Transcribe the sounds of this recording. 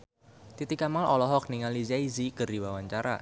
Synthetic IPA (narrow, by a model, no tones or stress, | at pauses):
t̪it̪ikamalɔlɔɦɔk̚niŋalizaizikərdiwawaɲt͡ʃaɾa̰